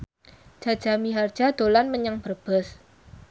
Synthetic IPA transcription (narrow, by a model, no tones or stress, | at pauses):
d͡ʒ̥a̤̥d͡ʒ̥a̤miɦard̥d͡ʒ̥a̤d̪̥o̤lanməɲaŋb̥ərb̥əs